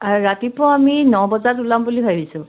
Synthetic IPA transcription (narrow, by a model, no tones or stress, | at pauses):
aɹatipɔaminɔbɔzatulambuliɦʰajdisʊ̃